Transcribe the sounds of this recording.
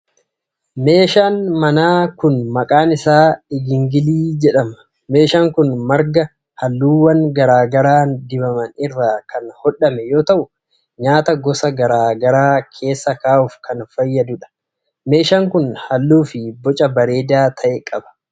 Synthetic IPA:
me̞ːʃaːnmɐnaːkʊnmɐkʼaːnɪsaːɪɡɪŋɡɪliːd͡ʒɛᶑɐmɐ̥ | me̞ːʃaːŋkʊnmɐɾɡɐ | hɐlːuːwɐŋɡɐɾaːɡɐɾaːnd̪ɪbɐmɐnɪrːaːkɐnhɔᶑːɐmɛjoːt̪ɐʔʊ | ɲaːt̪ɐɡɔsɐɡɐɾaːɡɐɾaːkʰe̞ːsːɐkaːʔʊfkɐnfɐjːɐd̪ʊᶑɐ̥ | me̞ːʃaŋkʊnhɐlːuːfɪbɔt͡ʃʼɐbɐɾe̞ːd̪aːt̪ʰɐʔɛkʼɐbɐ̥

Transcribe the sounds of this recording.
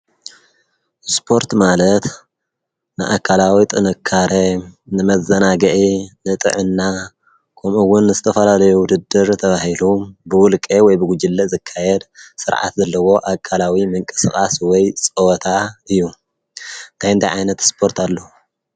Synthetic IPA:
spʰo̞ɾt̪malɐt̪ | nɨ̰ʔa̰kʰːalawit̪ʼɨnɨkʰːaɾenɨmɐzɐnaɡɐʔinɨt̪ʼɨ̰ʕɨnːa | kʰɐmuwʊnːɨzɨt̪ʰɐfɐlalɐjuwʊd̪ɨd̪ːɨɾt̪ʰɐβahilumbɨwʊlkʼewɔjbɨɡud͡ʒɨlːɐzɨkʰːajɛd̪sɨɾʕa̰t̪zɐlːɐwo̞ʔakʰʼːalawimɨŋkʼɨ̥sxʼaswɔjt͡sʼowt̪ʰaɨjːu | t̪ʰajɨnt̪ʰaʕajnɐt̪spʰo̞ɾt̪alːou

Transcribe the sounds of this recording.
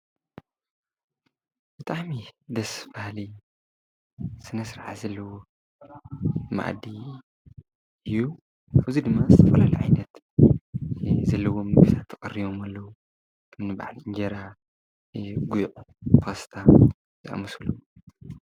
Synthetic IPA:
b̥ɨt̪ʰaʕmid̪ɐsfahli | sɨnɐsɾaʕa̰zɐlːɐwo | ma̰ʔd̪i | ɨju | ʔaβzid̪ɨmːazɨt̪ʰɐfɐlalɐjʕajnɐt̪ | zɐlːɐwo̞mɨɡɨt̪ʰat̪ʰːɐkʼɐrːiβomalːɐwu | kʰɐmnɨba̰ʕlɨɲd͡ʒɐɾa | ɡujʔupʰost̪ʰa | ziʔa̰mɨsulːɐw

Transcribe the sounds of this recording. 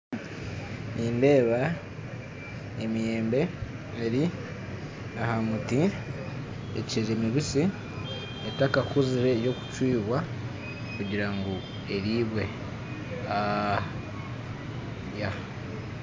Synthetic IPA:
niːnde̞ːβa | emije̞ːmbe̞ | eɾi | ahamuti | ḛcezemiβisi | etakakuziɾe̞jo̞ku̥cwiːβwa | kuɟiɾaŋɡo | e̞ɾiːβwe̞ | a | ja

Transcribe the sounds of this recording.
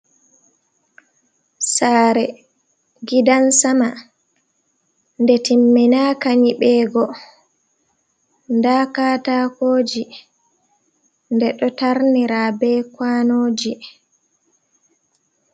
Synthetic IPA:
saːɾɛ | ɡidansama | ndɛtimːinakaɲiɓɛːɡɔ | ndaːkaːtaːkoːd͡ʒi | ndɛɗɔtaɾniɾaːbɛːkwanoːd͡ʒi

